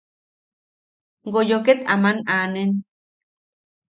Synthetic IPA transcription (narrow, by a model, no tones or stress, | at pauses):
ɡojoket̪amanaːnen